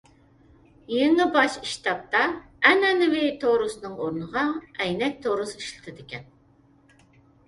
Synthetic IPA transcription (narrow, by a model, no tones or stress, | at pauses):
jinɨbɑʃiʃt̪ʰɑp̚t̪ɑ | ɛnɛnɪwɪt̪ʰoɾɨsɨnɨŋoɾnəʁɑɛjnɛk̚ʲt̪ʰoɾɨsɨiʃlɪ̥t̪ʰɪd̪ɪkʲɛn